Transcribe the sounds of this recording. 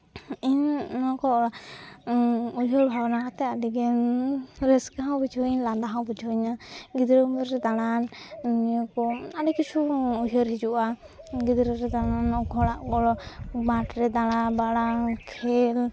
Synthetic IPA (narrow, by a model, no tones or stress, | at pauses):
innɔkɔɔɽa | uɦɔɾbʱawnakat̪ɛadɛɡɛ | ɾɛskaɦãwbid͡ʒʰʱɔɲland̪aɦãwbid͡ʒʰʱɔɲaɡid̪ɾumɛɾɾɛd̪aɽannijɔkɔaɖɛkit͡ʃʰuuɦɔɾɦid͡ʒuʔa | ɡid̪ɾəɾɛd̪aɽanːɔkɔɔɽaʔkɔɽɔbaʈɾɛd̪aɽabaɽakʰɛl